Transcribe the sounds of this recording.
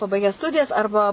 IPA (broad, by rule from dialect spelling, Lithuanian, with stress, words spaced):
pɐˈbɐɪɡʲæː ˈstʊdʲɪjɛs ˈɐrbɐ